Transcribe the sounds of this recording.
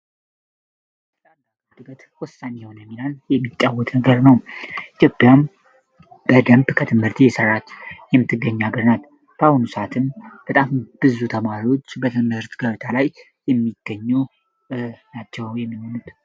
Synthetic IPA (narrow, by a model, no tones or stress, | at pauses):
t̪ɨlʼand̪a | d̪ɨbət̪wɔsːanɛhonəmilanjɛmːit͡ʃʼːawːɔt̪ʼnəɡəɾnəwit̪ʰjo̞pʼːjam | bəd̪əmbkʰət̪ʰɨmɨɾt̪ʰijɛsərːat͡ʃːjɛmːɨt̪ʰːɨɡːəɲːaɡɨɾnal | bawunusat̪ʰɨmb̥ət̪ʼamb̥ɨzut̪ʰəmaɾiwo̞t͡ʃːbət̪ʰɨmɨɾt̪ʰɡəβt̪ʰalaj | jɛmːiɡ̥ːəɲːu | nat͡ʃːɛwjɛmːiho̞nut̪